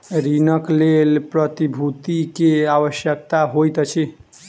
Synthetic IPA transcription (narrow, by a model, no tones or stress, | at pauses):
ɾinəklelpɾət̪ibʱut̪ikeaʋəʃjək̚t̪aɦojt̪t͡ʃʰi